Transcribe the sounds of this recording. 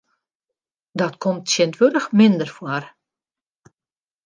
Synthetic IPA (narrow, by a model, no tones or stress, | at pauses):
dɔtkʰomtsjɪntʋødəxmɪndərfwɔr